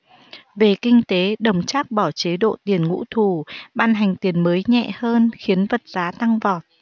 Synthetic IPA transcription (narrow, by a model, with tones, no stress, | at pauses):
ve˨˩kï˧ŋ̟t̪e˨˦ɗə˨˩wŋ͡mt͡ɕaː˦˥k̚ɓɔ˧˩t͡ɕe˨˦ɗo̰˧˨t̪i˨˩ənŋṵ˧˥t̪ʰu˧˩ɓaː˧nɦa˨˩jŋ̟t̪i˨˩ənməː˨˦jɲɛ̰˧˨həː˧nxi˨˦ənvə˨˩t̚z̥aː˨˦t̪a˧ŋvɔ˨˩t̚